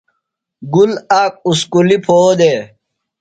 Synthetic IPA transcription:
ɡulaːk̚uskulipʰoːd̪eː

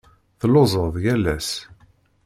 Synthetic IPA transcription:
θlozˤəðjælːæs

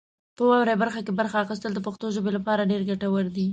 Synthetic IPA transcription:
pəwɑwɾajbaɾxakebaɾxaːxɪs̬t̪əld̪əpaxt̪oʒəbelapɑɾaɖeɾɡaʈawəɾd̪i

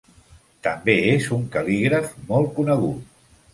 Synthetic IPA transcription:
t̪əmbeezuŋkəliɣɾəfmɔlˠkunəɣ̞ut̪̚

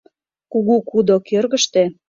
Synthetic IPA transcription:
kuɣukud̪okørɣə̆ʃt̪e

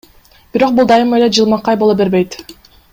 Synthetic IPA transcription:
b̥iɾo̞q̚bulˠd̪ɑjɯmɑeled͡ʒɯlˠmɑqːɑjbo̞lˠobe̞ɾbe̞jt̪

